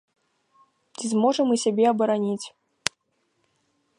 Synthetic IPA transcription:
t͡sʲizmɔʐɨmɨsʲabʲɛɐbɐɾanʲit͡sʲ

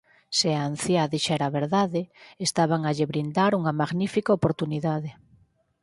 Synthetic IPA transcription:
seaːn̟θjaðiʃɛɾaβeɾðaðɪest̪aβaŋaʎɪβɾind̪aɾuŋɐmaɣnifikaopoɾt̪uniðaðɪ

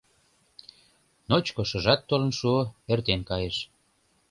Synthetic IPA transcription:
not͡ɕkoʃɤ̆ʒɑt̪ːolə̆nʃuoert̪enkɑjeʃ

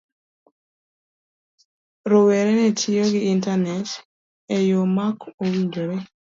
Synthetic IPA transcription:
ɾoweɾenɛtʰioɡɪːntanɛt | ejomakowiɲd͡ʒoɾe

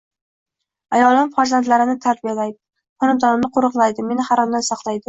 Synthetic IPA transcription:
ajɒlˠɪmfaɾzant̪laɾɪnɪt̪ʰaɾbijalajd̪ɪ̥ | χɒnɪmd̪ɒnɪmnɪqʰoɾɨqlˠajd̪ɪme̞nɪhaɾɒmd̪ansɒqlˠajd̪ɪ

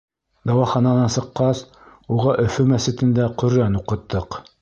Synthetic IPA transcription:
d̪ɑwɑχɑnɑnɑnsɤ̆qːɑs | uʁɑʔɵ̆fɵmæsɘ̆t̪ɘ̆nd̪æqɵ̆ɾænuqɤ̆t̪ːɤq

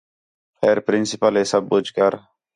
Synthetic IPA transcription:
pʰeːɾpɾɪnsɪpəleːsəb̚ːʊd͡ʒkəɾ

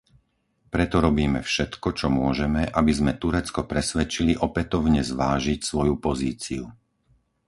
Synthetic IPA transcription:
pɾɛt̪ɔɾɔbiːmɛfʃɛt̪kɔt͡ʃɔmʊɔʒɛmɛʔabizmɛt̪uɾɛt͡skɔpɾɛsʋɛt͡ʃiliʔɔpɛt̪ɔʊɲɛzʋaːʒicsʋɔjupɔziːt͡siu

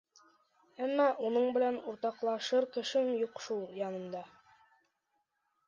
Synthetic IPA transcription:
æmːɑʔunɤɴbɘ̆lænuɾt̪ɑqlˠɑʃɤɾkɘ̆ʃɘmjuqʃulˠjɑnɤ̆md̪ɑ

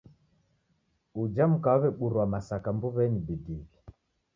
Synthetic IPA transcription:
ud͡ʒam̩kaaβɛɓuɾwamasakambuβɛnibidiki

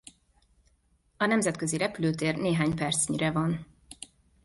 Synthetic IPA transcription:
ɒnɛmzɛt̪køziɾɛpyløːt̪eːrneːɦaːɲpɛrt̪sɲiɾɛvɒn

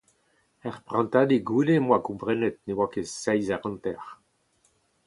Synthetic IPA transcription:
ɛʁpʁɑ̃nt̪ad̪eɡulemwakɔ̃mpʁɛnɛt̪̚newakesɛjzaʁɑ̃nt̪ɛʁ

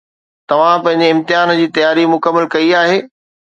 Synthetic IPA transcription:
t̪ɐʋ̤ãpɐ̃ɦɪ̃ɲd͡ʑeɪ̃mt̪ɪjaːnd͡ʑiːt̪ɐjaːɾimʊkəmːəlkɐiaːɦeː

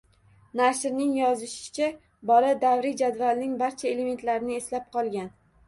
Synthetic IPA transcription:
naʃɾnɪŋjɒzɪʃɪ̥t͡ʃʰa | bɒlad̪avɾɪd͡ʒad̪valnɪŋbaɾt͡ʃʰae̞le̞me̞nt̪laɾɪnɪe̞slap̚qʰɒlˠɡʲan

